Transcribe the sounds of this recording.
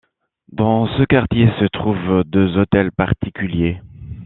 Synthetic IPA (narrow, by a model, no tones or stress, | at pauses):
d̪ɑ̃səkaʁt̪jesət̪χuvd̪øzot̪ɛlpaʁt̪ikʲylje